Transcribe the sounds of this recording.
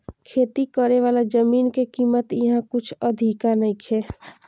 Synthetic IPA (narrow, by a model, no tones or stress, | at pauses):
kʰeːt̪ikəɾeʋaːlad͡ʒəmiːnkekiːmət̪jɐɦãkʊt͡ʃʰəd̪ʱikanəĩkʰeː